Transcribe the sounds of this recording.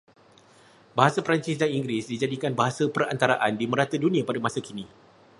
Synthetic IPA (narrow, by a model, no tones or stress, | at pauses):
baɦasapɾant͡ʃɪsdaniŋɡɾisdid͡ʒadikanbaɦasapəra̰nt̪aɾaʔandimə̃ɾat̪ədunĩapadamãsakinĩ